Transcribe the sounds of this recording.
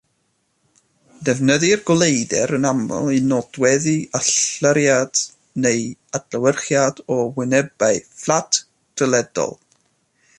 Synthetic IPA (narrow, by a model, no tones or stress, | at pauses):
dɛvnəðɨrɡɔlˠejdɛɾənamɔ̰lˠinɔd̥wɛðiaɬəɾjad̥ | neɨad̥ləwərχjadɔwɪnɛbaɨflˠatʰ | d̥ʰəlˠɛd̥ɔ̰lˠ